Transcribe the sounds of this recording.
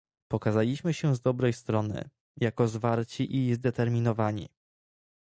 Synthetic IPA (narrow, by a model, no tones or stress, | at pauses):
pɔkazalʲiɕmɘɕɛzd̪ɔbɾɛjst̪ɾɔnɘ̰ | jakɔzvaɾt͡ɕiʔizd̪ɛt̪ɛɾmʲinɔvaɲḭ